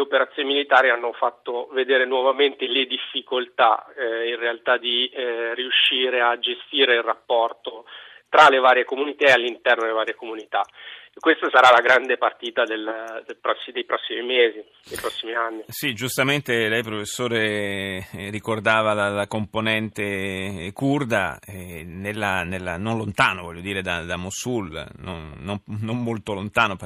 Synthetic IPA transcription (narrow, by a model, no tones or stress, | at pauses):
leopeɾat̪sjoːnimilit̪aːɾianːofat̪ːoved̪eːɾenwɔvament̪eled̪ifːikolt̪a̰inrealt̪ad̪iriuʃːiːɾead͡ʒest̪iːɾeilrapːɔrt̪o | t̪ɾalevaːɾjekomunit̪aealːint̪ɛrnod̪elevaːɾjekomunit̪akːwest̪asaɾalaɡɾand̪epart̪iːt̪ad̪elːd̪elpɾɔsːid̪ejpɾɔsːimimeːzi | d̪ejpɾɔsːimianːisid͡ʒust̪ament̪elɛjpɾofesːoːɾe | rikord̪aːvalalakomponɛnt̪ekurd̪a̰ɛnelːanelːa̰nonlont̪aːnovɔʎːod̪iːɾed̪ad̪amosulnonːomnomːolt̪olont̪aːnop